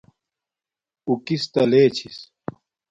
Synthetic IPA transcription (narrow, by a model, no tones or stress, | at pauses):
ukist̪ɐleːt͡ɕʰis